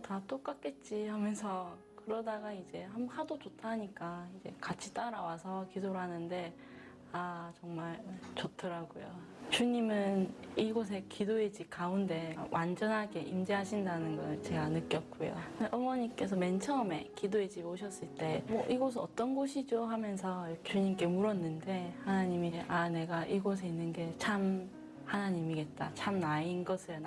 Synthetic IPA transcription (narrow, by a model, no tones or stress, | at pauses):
tat͈ok͈ak̚k͈e̞t̚t͡ɕ͈ihamjʌnsʰʌ | kɯɾʌdaɡaid͡ʑe̞ɦamhadod͡ʑotʰaɲik͈aid͡ʑe̞̰kat͡ɕʰi̥t͈aɾawasʰʌkidoɾɯɦanɯnde̞ | at͡ɕʌŋmaɭt͡ɕotʰɯɾaɡojo̰ | t͡ɕuɲimɯniɡos̬ʰe̞kʰidoed͡ʑikaunde̞wʔand͡ʑʌnɦaɡe̞ʔimd͡ʑeɦaɕʰindanɯnɡʌɭt͡ɕe̞ɡanɯk͈jʌp̚k͈ojo̰ʔʌmʌɲik͈e̞s̬ʰʌme̞nt͡ɕʰʌme̞kidoed͡ʑimoɕʰʌs͈ɯɭt͈e̞mʌʔiɡʌs̬ʰɯʌt͈ʌnɡoɕʰid͡ʑohamjʌnsʰʌjʌt͡ɕuɲimk͈e̞muɾʌnːɯnde̞hanaɲimiʔane̞ɡaʔiɡos̬ʰe̞inːɯnɡe̞t͡ɕʰam | hanaɲimiɡe̞t̚t͈at͡ɕʰamnainɡʌsʰɯn